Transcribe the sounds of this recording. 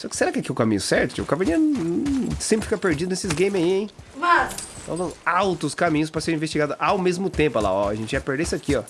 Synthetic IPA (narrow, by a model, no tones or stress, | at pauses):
sɔkɪ̥seɾakɪakɛʊkamĩɲʊsɛɾt̪ʊ̥t͡ʃḭpʊkavalĩɐ | sẽpɾɪfikɐpeɾd͡ʒid̪ʊnesɪzɡẽj̃maiẽj̃ | vat̪ɐ̰̃vɐ̃awt̪ʊskamĩɲʊspɾɐseɾĩvest͡ʃiɡad̪ʊʔawmezmʊt̪ẽmpʊala̰ɔɐʒẽnt͡ʃɪɛpeɾd̪eisɪakiɔ